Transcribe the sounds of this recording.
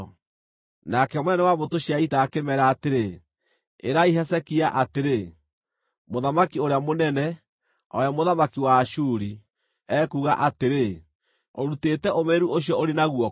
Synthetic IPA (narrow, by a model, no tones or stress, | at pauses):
nakɛmonɛnɛwamotoʃijaitaːkemɛɾaːteɾe | eɾaiɦɛsɛkiaʔateɾe | moðamakioɾeamonɛnɛ | ɔ̰jamoðamakiwaʃuɾi | ɛkuːɣaʔateɾe | oɾutetɛomeɾuoɕ̬ijɔoɾenaɣwɔ